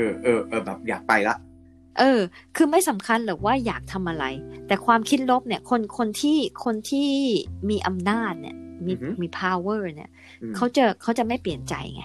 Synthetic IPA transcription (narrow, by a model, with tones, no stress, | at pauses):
ʔɤː˧ʔɤː˧ʔɤː˧bɛ̰ː˨˩p̚ja̰ː˨˩k̚pa˧jla˦˥ʔ | ʔɤː˧kʰɯː˧ma˥˩jsa˩˦mkʰa˧nbɛː˨˩k̚waː˥˩jaː˨˩k̚t̪ʰa˧mʔa˧ɾa˧jt̪ɛː˨˩kʰwaː˧mkʰi˦˥t̪̚lo˦˥p̚ni˥˩ɐkʰo˧nkʰo˧nt̪ʰiː˥˩kʰo˧nt̪ʰiː˥˩miː˧ʔa˧mnaː˥˩t̪̚nḭ˥˩ɐmiː˧˨˩miː˧pʰa˧wɤː˥˩ni˥˩ɐ | kʰa˦˥wt͡ɕa˧˩kʰa˦˥wt͡ɕa˨˩ma˥˩jpli˨˩ənt͡ɕa̰˧jŋa̰˦